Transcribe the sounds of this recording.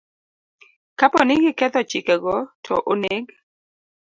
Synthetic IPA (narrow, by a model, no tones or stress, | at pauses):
kapɔnɪɡɪkɛt̪ɔt͡ʃɪkɛɡɔtʰɔʔoneɡ